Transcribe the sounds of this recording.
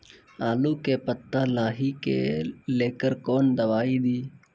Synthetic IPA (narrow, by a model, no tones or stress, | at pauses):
aːluːkeːpət̪ːaːlaːɦiːkḛːleːkəɾkoːnd̪əʋaːiːd̪iː